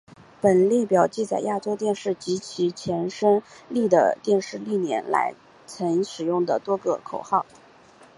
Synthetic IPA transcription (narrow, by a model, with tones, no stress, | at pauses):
pə˨˩nljɛ˥˩pjɑ˨˩ʊt͡ɕi˥˩t͡sa˨˩ɪja˥˩ʈ͡ʂo˥ʊt̪jɛ˥˧nʂɻ̩˥˩t͡ɕi˧˥t͡ɕʰi˧˥t͡ɕʰjɛ˧˥nʂə˥ŋli˥˩d̪ə̰˩t̪jɛ˥˧nʂɻ̩˥˧li˥˩njɛ̰˧˥nla̰˧˥ɪ | t͡sʰɤ˧˥ŋʂɻ̩˨˩jʊ˥˩ŋd̪ə˩t̪wɔ˥ɡə˧kʰo˨˩ʊxɑ˥˩ʊ